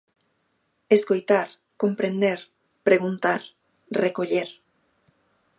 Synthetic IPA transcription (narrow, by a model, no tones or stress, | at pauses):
eskojt̪aɾ | ko̞mpɾend̪eɾ | pɾeɣ̞unt̪aɾ | rekoʎeɾ